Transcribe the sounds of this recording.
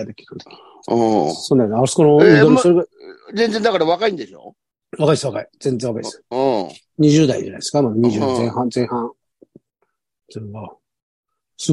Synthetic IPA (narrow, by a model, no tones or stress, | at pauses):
ad̪ekʲi̥ɾɯ̃nt̪õ̥ | sond̪anaskoɾõd̪omsoɾeɡad͡zẽnd͡zend̪akaɾaβakaĩnd̪e̞ɕo̰ | βakaiesβakaid͡z̥ẽ̞nd͡zzẽβakai̥sɨ̥̃ | ɲ̟iʑɨːd̪aḭd͡ʑa̰na̰jd̪eskamaɲ̟iʑɨːzẽhãnzẽ̞ɰ̃hãŋ | soɾɡa | sɨ